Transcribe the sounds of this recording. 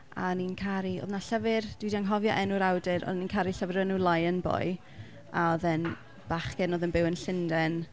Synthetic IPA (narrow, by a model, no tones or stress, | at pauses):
a̰ninkʰaɾio̰ːðnaɬəvɪrd̥widiaŋɦɔvjɔʔɛnuɾawdɪɾɔ̰ðninkʰaɾiɬəvɪɾənulˠajənbɔ̰j | aɔðɛn | b̥aχɡ̥ɛnoːðənbɪwənɬɪndɛn